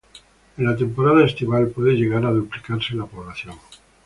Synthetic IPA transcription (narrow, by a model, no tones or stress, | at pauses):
enlat̪e̞mpo̞ɾaðaest̪iβalpweðeʎe̞ɣaɾaðuplikaɾselapo̞βlaθjoŋ